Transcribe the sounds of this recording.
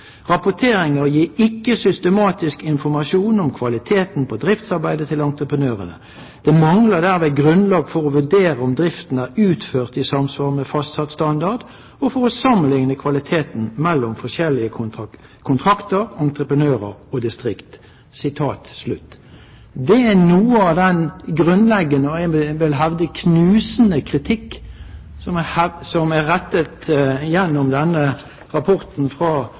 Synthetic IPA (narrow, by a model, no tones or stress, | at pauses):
ʁɑpʊt̪ʰeːʁɪŋəʁjiːɪkːəsʏst̪əmɑːt̪ɪskɪnfɔɾmɑʃuːnɔmkʰʋɑlɪt̪ʰeːt̪npʰɔd̪ʁɪft̪sɑʁbæɪd̪ət̪ʰɪlɑnt̪ʁəpənøːʁə̰nə̰ | d̪̥ɛmɑŋləd̪æːʁmeːɡʁʉnlɑːɡfɔʁɔʋʉɖ̪eːʁəɔmd̪ʁɪft̪n̩æːɾʉːt̪føːʁt̪ɪsɑmsʋɑːʁmɛfɑst̪sɑt̪st̪ɑnd̪ɑʁd̪ | ɔfɔʁɔsɑmːənlɪŋnəkʰʋɑlɪt̪ʰeːt̪n̩mɛlːɔmfɔʂɛlɪə | kʰʊnt̪ʰʁɑkt̪əɾɑnt̪ʁəpənøːʁəɾɔd̪ɪst̪ʁɪkt̪ | sɪt̪ʰɑːt̪slʉt̪ː | d̪ɛænuːəɑd̪ɛnɡɾʉnlɛɡːənəɛʋɪlɦɑʋd̪əkʰnʉːsən̩əkʰʁɪt̪ʰɪkː | sɔhsɔmæʁɛt̪ːət̪jɛnːʊmd̪ɛnːə | ʁɑpʰɔʁt̪n̩fʁɑː